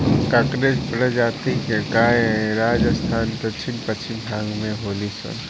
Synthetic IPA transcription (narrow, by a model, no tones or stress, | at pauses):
kakɾed͡ʒpɾəd͡ʒaːt̪ikekaːeɾaːd͡ʒəst̪ʰaːnpət͡ʃɪmpət͡ʃɪmbʱãːŋɡmẽɦoːlisə̰n